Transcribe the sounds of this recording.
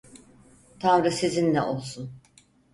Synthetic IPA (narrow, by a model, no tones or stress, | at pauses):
t̪ʰanɾɯsezinlʲɛ̰ʔo̞lˠsun